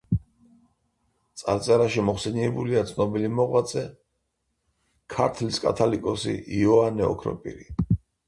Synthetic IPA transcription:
t̪sʼa̰ɾt̪sʼɛɾaʃimɔχsɛniɛbuliat̪sʰnɔbilimɔʁwat̪sʼɛ | kʰaɾt̪ʰliskʼa̰t̪ʰalikʼɔsḭʔiɔanɛɔ̰kʰɾɔ̰pʼḭɾi

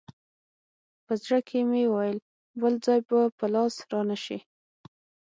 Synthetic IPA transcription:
pəzɽakʰemewajəl | bəld͡zɑjbapəlɑsɾɑnaʃḭ

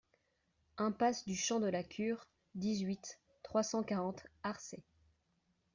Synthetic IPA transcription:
ɛ̃pasd̪yʃɑ̃d̪əlakʲʰyʁ | d̪izɥit̪ː | χwasɑ̃kaʁɑ̃t̪aʁse

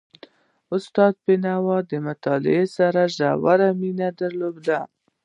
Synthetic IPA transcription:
ʊst̪ɑd̪̚pənawɑd̪əmat̪ɑlɪ̰esaɾaʒa̰waɾaminad̪aɾlobd̪a

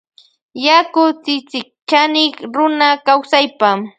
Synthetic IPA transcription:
jakʊt͡sɪt͡sɪk̚t͡ʃanɪkɾʊnakawsajpam

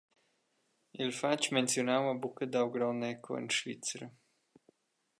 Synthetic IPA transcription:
ilfat͡ʃmɛnt͡sjonawəbukəd̪awɡɾɔnɛkʰɔ̰ə̰nʃvḭt͡sɾə

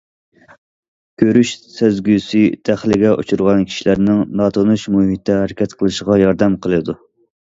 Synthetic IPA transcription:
kʲʰøɾyʃsæzɡʲysɨd̪̥æχlɪɡʲɛʔut͡ʃʰuɾʁɑnkʲʰi̥ʃilæɾnɪŋnɑt̪ʰonuʃmuhit̪d̪ɛɦæɾɛkʲɛt̪qʰəlˠɨʃəʁɑjɑɾd̪ɛmqʰəlˠɨd̪u

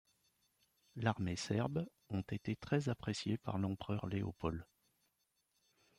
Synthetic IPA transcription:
laʁmesɛʁb | ɔ̃t̪et̪et̪χɛzapχesjepa̰ʁlɑ̃pχœʁleo̰pɔl

